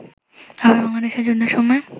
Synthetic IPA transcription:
abaɾbaŋlad̪eʃeɾd͡ʑonːeɾʃɔmɔe

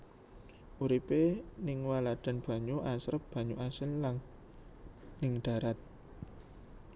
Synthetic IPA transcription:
ʔuɾipenɪŋwalad̪̥a̤nb̥a̤ɲuʔasɾəp̚b̥a̤ɲuʔasɪllaŋ | nɪŋɖ̪̥a̤ɾat̪̚

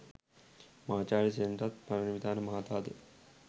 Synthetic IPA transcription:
mɐɦaːt͡ʃaːɭisenɖɾɐt̪̚mɐɾɐnʋid̪ʱaːnɐmɐɦaːt̪aːd̪ḛ

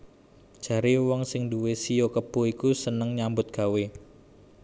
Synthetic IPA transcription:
d̥ʒ̥a̤ɾiwɔŋsɪŋduwesijokəb̥o̤ikusənəŋɲambʊt̪̚ɡ̥a̤we

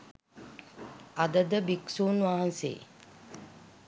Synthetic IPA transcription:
ad̪əd̪əbiksuːnʋaɦansḛː

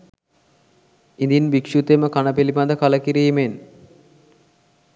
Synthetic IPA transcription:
ind̪inbikʂut̪eməkanəpiliband̪əkaləkiɾiːmen

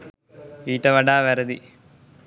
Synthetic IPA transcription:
iːʈːɐʋɐɖaːʋɐɾɐd̪i

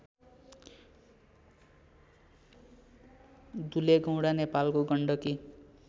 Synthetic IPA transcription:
d̪uleɡʌw̃ɽanepalkoɡʌɳɖʌki

